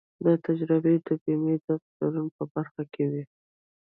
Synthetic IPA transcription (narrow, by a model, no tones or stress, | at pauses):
d̪ət̪ad͡ʒɾəbed̪əbimed̪əft̪aɾunpəbaɾxakewi